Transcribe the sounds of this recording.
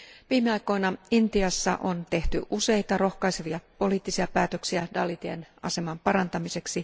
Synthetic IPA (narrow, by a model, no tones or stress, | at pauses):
ʋiːmeɑjko̞jnɑint̪iɑsːɑ̰ʔont̪e̞ht̪y̰ʔuse̞jt̪ɑro̞hkɑjse̞ʋiɑpo̞liːt̪ːisiɑpæːt̪ø̞ksiædɑlːit̪iḛnɑ̰se̞mɑmpɑɾɑnt̪ɑmise̞ksi